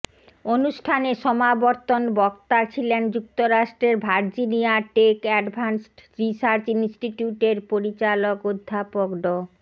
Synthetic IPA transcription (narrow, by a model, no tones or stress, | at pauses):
onuʃʈʰaneʃɔmabɔɾt̪onbɔkt̪at͡ɕʰilend͡ʑuk̚t̪oɾaʃʈɾeɾbʱaɾd͡ʑiniaʈekɛɖbʱansʈɾisaɾt͡ɕinsʈiʈjuʈeɾpoɾit͡ɕalokod̪ʱːapokɖo